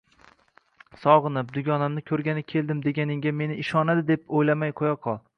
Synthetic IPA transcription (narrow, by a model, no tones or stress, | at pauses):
sɒʁɨnɪp̚d̪ʊɡʲɒnamnɪkʲʰɵɾɡʲanɪkʲʰe̞ld̪ɪmd̪e̞ɡʲanɪŋɡʲame̞nɪɪʃɒnad̪ɪd̪e̞pojlamajqʰojaqʰɒlˠ